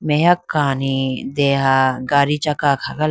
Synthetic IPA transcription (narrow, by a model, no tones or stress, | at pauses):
mejakːaːnid̪eːɦaɡaːɾit͡ʃakaːkʰaɡa